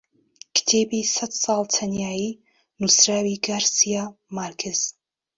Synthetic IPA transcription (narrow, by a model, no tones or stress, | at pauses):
kʰt̪ʰeːbisat̪sɑːlˠt̪ʰɐnjaːji | nusɾaːwiɡaːɾsijamaɾkʰɪz̥